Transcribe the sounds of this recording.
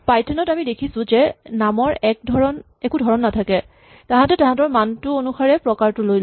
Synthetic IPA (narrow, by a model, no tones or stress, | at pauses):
pajtʰɛnɔtamidekʰisʊ̃zɛnamɔɹɛkdʱɹɔn | ɛkudʱɔɹɔnːatʰakɛ | tãɦãtɛtãɦãtɔɹmantʊonuxaɹɛpɹɔkaɹtʊlojl